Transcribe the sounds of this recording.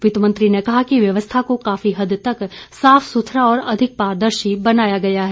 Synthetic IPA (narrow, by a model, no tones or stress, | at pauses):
ʋɪt̪mə̃nt̪ɾinekɐɦakiʋjɐʋəst̪ʰakokaːfiɦɐd̪t̪ɐksaːfsʊt̪ʰɾaɔːɾɐd̪ʱɪk̚paːɾd̪əɾʃibɐnaːjaɡɐjaɦɛː